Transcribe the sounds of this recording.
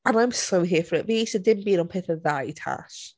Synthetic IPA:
ə̃nãɪ̃msoʊɦiəfəɹɪʔwiisədɪdⁿn̩b̥ĩnə̃npʰɪθəðaɪtʰa̰ʃ

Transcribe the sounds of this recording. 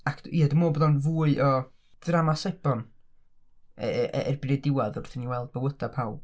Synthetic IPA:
akʰd̥iadəmoːbɔðɔnvuːɨʔɔ | d̥ramasajbɔn | ɛʔɛ̰rbɪnɛdɪwaðʊrθɪniwɛlˠd̚bəwədapʰawb̥

